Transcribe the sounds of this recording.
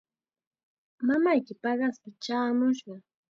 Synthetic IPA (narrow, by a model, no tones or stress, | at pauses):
mamajkɪpɑɢɑspɪt͡ʃaːmʊʃɢɑ